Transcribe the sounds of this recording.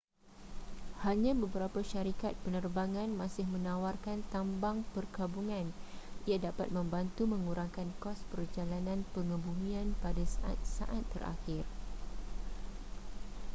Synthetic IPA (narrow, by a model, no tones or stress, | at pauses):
haɲãbəbəɾapaʃaɾikat̪̚pənərbaŋãnmãsɪhmə̃nawarkant̪ambaŋpərɡabuŋãnijadapat̪̚mə̃mbant̪umə̃ŋuɾaŋkankɔspərd͡ʒalanãnpəŋə̃bumĩanpadasaʔa̰t̪̚sa̰ʔat̪ːə̰ra̰xɪr